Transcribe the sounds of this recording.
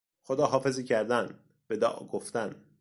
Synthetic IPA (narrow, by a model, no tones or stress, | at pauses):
xod̪ɒːɦɒːfe̞ziːcʰæɾd̪æn | b̥ed̪ɒ̰ːʔɡoft̪æn